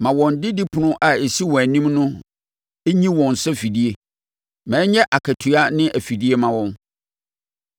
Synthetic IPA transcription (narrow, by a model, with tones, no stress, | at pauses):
mã˨wɔ̃˨ndɪ˦dɪ˦pʰʊ˨nʊ̃˦ʔa˨e˨si˦wɔ̃˨æ˨nĩ˦mnʊ̃˦ | e˦ɲĩ˦wɔ̃˨n˨sɛ˦fi˨di˦e˦ | mɛ̃ː˨˦ɲɛ̃˦ʔa˨kʰæ˨tʰu˨a˦nɪ̃˦ʔæ˨fi˨di˦e˦mã˨wɔ̃˦n